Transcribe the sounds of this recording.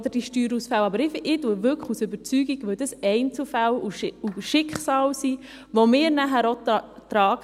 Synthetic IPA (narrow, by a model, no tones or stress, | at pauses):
d̪əd̥iʃtyːɾusfɛwɑbəɾɪfɪtuəʋʏkχusʏbəɾt͡syːɡiɡʋɵd̥əsɛɪnt͡səfæluuʃɪkχsɑːlsi | ʋɔmɪːɾnæɦæɾot̪ɾɑːɡ